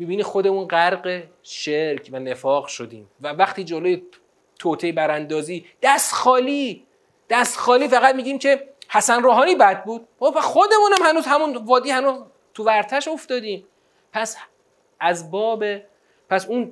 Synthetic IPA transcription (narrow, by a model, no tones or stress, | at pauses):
miːbiːniːxo̞d̪e̞munɢæɾɢe | ʃeɾcʰvæne̞fɒːɣʃod̪ḭːmvævæχt̪ʰiːd͡ʒoloje | t̪ʰot̪ʰejebæɾænd̪ɒːziːd̪̥æst̪xɒːliː | d̪̥æst̪xɒːliːfæɣæt̪̚miːɟiːmcʰe̞hæsænɾoːɦɒːniːbæd̪̚buːd̪̥̚opæsxod̪e̞munæmhænuːzhæmunvɒːd̪iːhænuːz | t̪ʰuvæɾt̪ʰæʃo̞ft̪ɒːd̪iːm | pʰæs | æzbɒːbe | pʰæsun